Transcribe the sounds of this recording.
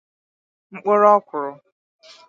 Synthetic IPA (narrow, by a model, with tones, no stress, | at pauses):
ŋ͡m̩˦k͡pʊ˦ɾɔ˦kʷʊ˨ɾʊ˨